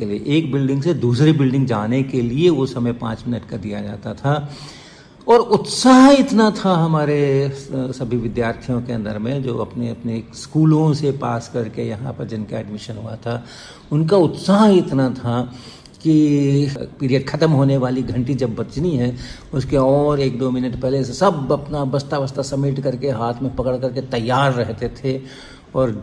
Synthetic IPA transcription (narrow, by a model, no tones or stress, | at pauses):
elieʔeːkbɪlɖɪ̃ŋɡsed̪uːsɾibɪlɖɪ̃ŋɡd͡ʒaːnekelieʋosɐməpã̰ːt͡ʃmɪnəʈkad̪ijad͡ʒa̰ːt̪at̪ʰa | ɔːɾʊt̪saːɦɪt̪nat̪ʰaɦɐmaːɾe | sɐbʱiʋɪd̪jaːɾt̪ʰijõkeɐ̃nd̪əɾmẽd͡ʒo̰ːɐpneɐpneskuːlõsepaːskɐɾkejɐɦãpɐɾd͡ʒɪnkaɛɖmɪʃənɦuat̪ʰa | ʊnkaʊt̪saɦɦɪt̪nat̪ʰa | ki | pɪːɾijəɖkʰɐt̪əmɦoːneʋaːliɡʱɐ̃ɳʈid͡ʒɐbːɐt͡ʃniɦɛ | ʊskeɔːɾeːkd̪oːmɪnəʈpɛɦlesesɐbɐpnabɐst̪aʋəst̪asɐmːɪʈkɐɾkeɦaːt̪ʰmẽpɐkəɽkɐɾket̪ɐjːaːɾːɛɦt̪et̪ʰe | ɔːɾ